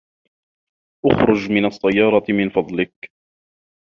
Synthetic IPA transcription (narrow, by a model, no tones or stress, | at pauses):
ʔʊxɾʊd͡ʒmɪnɑsˤːɑjːɑːɾˤɑmɪnfɑd̪ˤlɪk